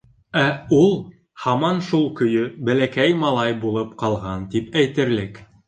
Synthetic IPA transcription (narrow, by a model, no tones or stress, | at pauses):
æulˠ | hɑmɑnʃulˠkɵ̆jɵbælækæjmɑlˠɑjbulˠɤpqɑlˠʁɑnt̪ipæjt̪ɘ̆ɾlɘk